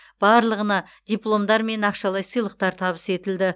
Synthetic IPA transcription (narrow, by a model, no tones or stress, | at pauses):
b̥ɑɾlˠəʁənɑ | d̪̥ʲijplˠo̞md̪ɑɾme̞nɑqʃɑlˠɑjsɨjlˠəq̚t̪ɑɾt̪ʰɑβəse̞t̪ɪld̪ɪ